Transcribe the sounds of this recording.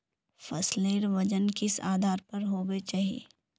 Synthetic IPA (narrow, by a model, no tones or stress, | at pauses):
fɐsleːɾʋɐd͡ʒənkɪsa̰ːd̪ʱaːɾpɐɾɦoːbet͡ʃaːɦiḛː